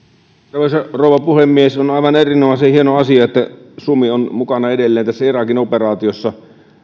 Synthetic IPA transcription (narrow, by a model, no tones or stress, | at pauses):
t̪ɑrʋeˑisɑroˑuʋɑpuhemːiesonɑˑiʋɑnerinomɑˑsehienoɑsiɑet̪ːæ | sumionmukɑnɑedelːeːnt̪æsːæirɑkinoperɑːt̪iosːɑ